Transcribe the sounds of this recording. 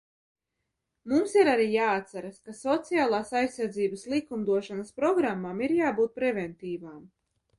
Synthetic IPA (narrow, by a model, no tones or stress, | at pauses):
mumsiɾaɾiːjaːat̪saɾaskasɔt̪sijaːlˠaːsajsːaɾd̪ziːbɐslˠikumd̪uɔʃanɐspɾɔɡɾamːamiɾjaːbuːt̪̚pɾɛvɛnt̪iːvaːm